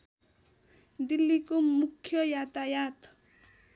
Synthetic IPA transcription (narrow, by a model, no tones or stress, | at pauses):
d̪ilːikomukʰːjʌjat̪ajat̪